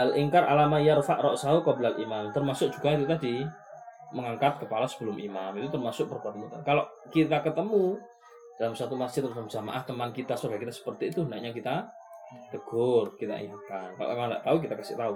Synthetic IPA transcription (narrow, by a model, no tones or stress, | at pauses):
alʔiŋkarʔa̰lamaijarfaʔɾɔʔsaukɔbəlalʔimamt̪ərmasʊk̚d͡ʒuɡait̪̬ut̪adi | məŋaŋkat̪̚kəpalasə̥bəlʊmʔimamit̪ut̪ərmasʊk̚pərkuat̪əmut̪ankaloʔ | kit̪akət̪əmu | d̥alamsat̪umḁd͡ʒɪt̪̚rdalamd͡ʒama̰ʔaht̪əmankit̪asobakit̪asə̥pərt̪iːt̪undaʔɲakit̪a | t̪əɡ̥ʊrkit̪a̰ʔiɦukanka̰ʔa̰kaŋnda̰ʔt̪auk̬it̪akasɪ̰ʔt̪au